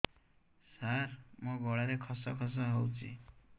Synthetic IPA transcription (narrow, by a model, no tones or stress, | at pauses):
saɾmʌɡɔɽaɾekʰʌsʌkʰʌs̬ʌɦʌwt͡sʰḭ